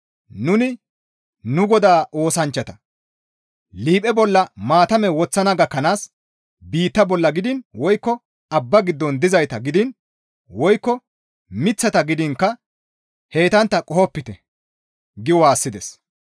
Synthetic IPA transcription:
nʊnɪ | nʊɡɔd̪aːo̞ːsɐnt͡ʃːɐt̪ɐ | liːpʼɛbɔlːɐmaːt̪ɐmɛwɔt͡sːɐnɐɡɐkːɐnaːs | biːt̪ːɐbɔlːɐɡɪd̪ɪnwɔjkːɔ | ɐbːɐɡɪd̪ːɔnd̪ɪzɐjt̪ɐɡɪd̪ɪn | wɔjkːɔ | mɪt͡sːɐt̪ɐɡɪd̪ɪŋkːɐ | heːt̪ɐnt̪ːɐkʼɔhɔpːɪt̪ɛ | ɡɪwwaːsːɪd̪ɛs

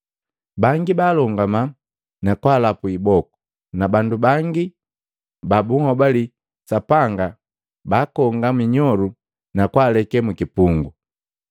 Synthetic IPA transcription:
baŋɡibaːlɔŋɡama | nakwaːlapuibɔku̥ | nabandubaŋɡi | babuhɔbali | sapaŋɡa | baːkɔŋɡamiɲɔlu | nakwaːlɛkɛmukipuŋɡu

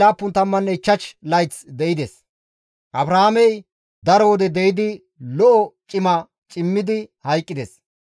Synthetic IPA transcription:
aːpːʊnt̪ɐmːɐnːɛɪt͡ʃːɐt͡ʃlɐjt͡sd̪ɛjɪd̪es | ʔɐbɾaamɛj | d̪ɐɾɔwɔd̪ɛd̪ɛjɪd̪ɪ | lɔʔɔt͡ʃʼɪmɐ | t͡ʃʼɪmːɪd̪ɪhɐjkʼːɪd̪ɛs

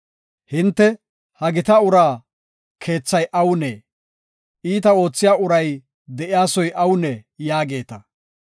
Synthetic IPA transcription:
hɪnt̪ːɛ | hɐɡɪt̪ɐʊɾaː | kʰe̞ːt͡sːɐjʔɐwneː | ʔiːt̪ɐo̞ːt͡sːɪjaːʊɾɐj | d̪ɛʔɪjaːsɔjʔɐwnɛjaːɡe̞ːt̪ɐ

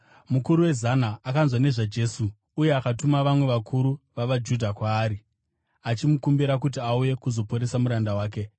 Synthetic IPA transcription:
mukuɾuwe̞zanaːkanzwane̞ʐad͡ʒe̞ːsuː | je̞akatumaʋamwe̞ʋakʰuɾuʋaʋad͡ʒudʱakwaːɾi | at͡ʃimukumbiɾakut̬iauje̞kuzo̞po̞ɾe̞samuɾandawaːk̬e̞

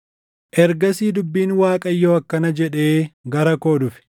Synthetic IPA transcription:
ʔɛɾɡɐsiːd̪ʊbːiːnwaːkʼɐjːoːɐkːɐnɐd͡ʒɛᶑe̞ːɡɐɾɐko̞ːd̪ʊfɪ̥

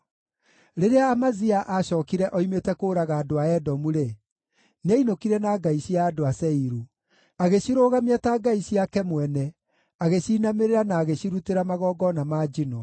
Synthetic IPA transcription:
ɾeɾeaːmaziaʔaɕɔːkiɾɛʔɔimetɛkoːɾaɣaːdoaɛdɔmuɾe | neinokiɾɛnaɡaiɕiaːdoasɛiɾu | aɣeɕiɾoːɣamiataɡaiɕiakɛmwɛnɛ | aɣeɕiːnameɾeɾanaːɣeɕiɾuteɾamaɣɔːɡɔnamaːd͡ʒinɔ

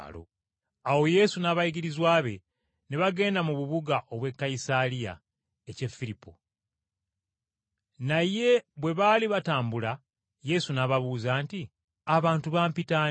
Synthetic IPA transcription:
lo̰ | awo̞je̞sunaβajiɡiɾizwaːβe̞ | neβaɡe̞ːndamuβuβuɡaʔo̞βwe̞kːaisalija̰ | ece̞fːiɾipːo̰ | naje̞βwe̞βaːliβataːmbula | je̞sunaβaβuːzaːnti | aβaːntuβaːmpita

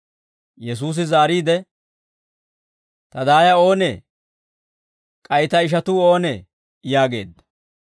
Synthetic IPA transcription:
jɛs̬uːs̬ɪzaːɾiːd̪ɛ | t̪ɐd̪aːjɐo̞ːnḛː | kʼɐjɪt̪ɐɪʃ̬ɐt̪uːo̞ːneː | jaːɡe̞̰ːd̪ːɐ̥

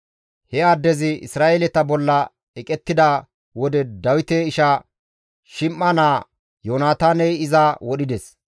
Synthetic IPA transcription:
hɛaːd̪ːɛzɪɪ̰sɾaːʔelɛt̪ɐbɔlːɐ | ɛkʼɛt̪ːɪd̪ɐ | wɔd̪ɛd̪ɐwɪt̪eːɪʃɐ | ʃɪmːɐnaː | joːnaːt̪aːnɛjɪzawɔɗɪd̪ɛs

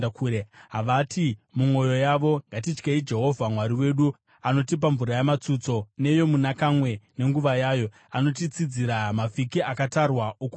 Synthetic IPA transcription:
akuɾeɦaʋatʰimumwo̞jo̞jaʋo̞ŋɡat̬it͡ʃkeid͡ʒe̞ɦo̞vʱamwaɾiwe̞ːɗu | ano̞t̬ip̬aɱvuɾajamat͡sut͡so̞ne̞jo̞munakamwe̞ne̞ŋɡuʋajaːjo̞ | ano̞t̬it͡sid͡ziɾamafikiʔakatarwaʔoku

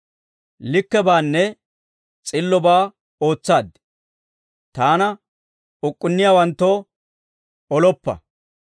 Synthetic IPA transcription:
lɪkːɛbaːnːɛ | t͡sʼɪlːɔbaː | o̞ːt͡sːaːd̪ | t̪aːnɐ | ʊkʼːʊnːɪjaːwɐnt̪ːo | ɔlɔpːɐ̰

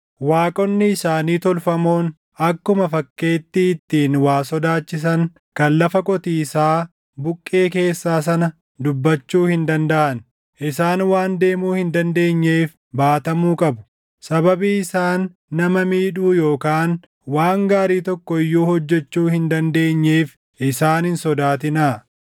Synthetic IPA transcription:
waːkʼɔnːɪɪsaːniːt̪ɔlfɐmo̞ːn | ɐkːʊmɐfɐkːe̞ːt̪ːɪːt̪ːiːnwaːsɔd̪aːt͡ʃːɪs̬ɐŋ | kɐnlɐfɐkʼɔt̪iːɪsaː | bʊkʼːe̞ːke̞ːsːaːs̬ɐnɐ | d̪ʊbːɐt͡ʃːuːhɪnd̪ɐnd̪ɐʔɐn | ʔɪsaːnwaːnd̪e̞ːmuːhɪnd̪ɐnd̪e̞ːɲːe̞ːf | baːt̪ɐmuːkʼɐbʊ̥ | sɐbɐbiːɪsaːnː | ɐmɐmiːᶑuːjo̞ːkaːn | waːŋɡaːɾiːt̪ɔkːɔɪjːuːhɔd͡ʒːɛt͡ʃːuːhɪnd̪ɐnd̪e̞ːɲːeːf | ʔɪsaːnɪnsɔd̪aːt̪ɪna

